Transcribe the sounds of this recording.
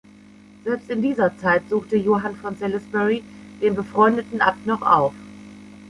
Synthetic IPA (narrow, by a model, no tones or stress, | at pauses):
z̥ɛlpstɪndiːzɐt͡saɪtz̥uːxtəjoːɦanfɔnsɛlɛsbɛʁid̥eːnbəfʁ̥ɔʏndətn̩ʔap̚tnɔχʔa̰ʊf